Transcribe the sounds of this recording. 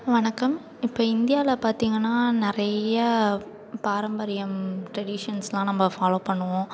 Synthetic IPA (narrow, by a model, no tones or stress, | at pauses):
ʋɐnɐkːɐm | ɪpːoːɪnd̪ɪjaːlɐpaːɾt̪iːŋɡɐnːaːnɪɾɐjɐ | paːɾɐmbɐɾɪjɐmʈɾɐɽɪʂɐnslãːnɐmːɐfaːloːpɐɳːɯʋõː